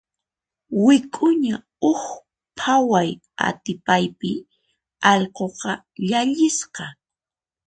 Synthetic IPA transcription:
wɪkʼʊɲa | ʊx | pʰawaj | a̰t̪ɪpajpɪ | ɑʎqoqɑ | ʎaʎɪsqɑ

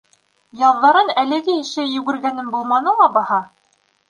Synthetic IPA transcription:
jɑððːɑɾɤnælɘ̆ɡɘɘ̆ʃɘjʉ̆ɡɘ̆ɾɡænɘnbulˠmɑnɤ̆lˠɑbɑhɑ

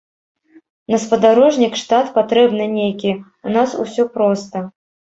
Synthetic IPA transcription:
nɐspɐd̪aɾɔʐnʲikʂt̪at̪pat̪ɾɛbnɨnʲejkʲi | unasṵsʲɔpɾɔst̪ɐ

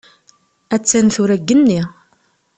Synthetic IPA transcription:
æt͡sːænθʊɾæɡːənːi

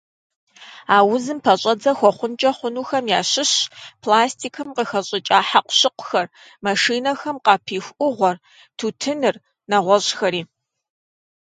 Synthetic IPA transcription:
aːwʊzɨmpʰɐɕʼɐd͡zɐxʷɔχʷʊnt͡ʃʼɐχʷʊnuːxɐmjaːɕɪɕpʰlaːstʰiːkʰɐmqəxɐɕʼɪt͡ʃʼaːħaqʷʊɕɪqʷʊ̥xɐr | mɐʂiːnɐxɐmqɑːpʰiːxʷʔʊʁʷɔr | tʰuːtʰɨnɨr | nɐʁʷɔɕxɐɾiː

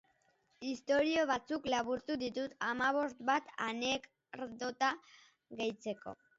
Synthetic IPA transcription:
ist̪o̞ɾio̞β̞at͡suklaβuɾt̪uðit̪ut̪amaβ̞o̞st̪bat̪anek | ɾd̪ot̪a | ɣe̞jt͡se̞ko̞̰

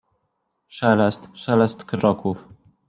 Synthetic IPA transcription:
ʂɛlɛst̪ʂɛlɛst̪kɾɔkuf

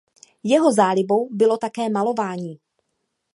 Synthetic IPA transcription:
jɛɦo̞zaːlɪbo̞wbɪlo̞t̪akɛːmalo̞vaːɲiː

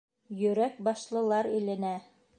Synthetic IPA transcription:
jɵ̆ɾæk̚bɑʃlˠɤ̆lˠɑɾɘ̆læ̆næ

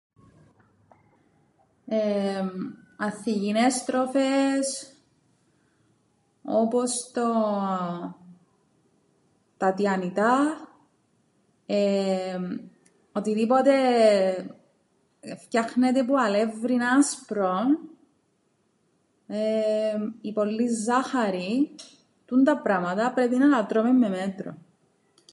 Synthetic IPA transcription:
e | ɐθːiʝinest̪ɾofes | opost̪o | t̪ɐt̪iɐnit̪ɐ | e | ot̪iðipot̪e | fcɐxnet̪epuɐlevɾinɐspɾon | e | ipo̞lːizːɐxɐɾi | t̪unt̪ɐpɾɐmɐt̪ɐpɾepinɐlɐt̪ɾomemːemet̪ɾo̰

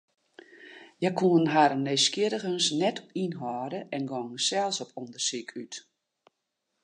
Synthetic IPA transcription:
jɛkuənɦaɾəneskɪəɾəxənsnɛtʰɔpinɦɔːɾəɛnɡɔŋsɛlˠsɔpʰɔndərsikʰyt

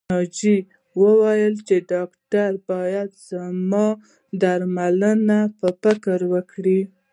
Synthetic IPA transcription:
ɑd͡ʒi | wəwajəlt͡ʃeɖɑkʈaɾbɑjad̪z̥amɑ | d̪aɾmalənapəfɪkəɾwəkɽi

